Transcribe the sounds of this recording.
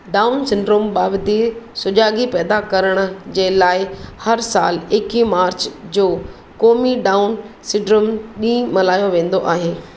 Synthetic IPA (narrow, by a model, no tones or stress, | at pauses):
ɖaːʊnsɪ̃ɳɖɾomɓaːbd̪isʊd͡ʑaːɡipɛːd̪akɐɾəɽ̃ʊ̆d͡ʑeːlaːɪhɐɾsa̰ːleːkimaːɾt͡ɕd͡ʑoː | koːmiɖaːʊn | sɪ̃ɳɖɾomɗĩːmɐlaːjoʋẽːn̆d̪oʔaːɦeː